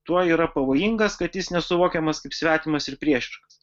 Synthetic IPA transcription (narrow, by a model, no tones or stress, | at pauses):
t̪uɔiːɾɐpɐʋoːjɪŋɡɐskɐt̪jɪsnʲɛsʊʋoːkʲɛmɐskɐɪpsʲʋʲæːt̪ʲimɐsɪɾpʲɾʲiɛʃʲɪɾks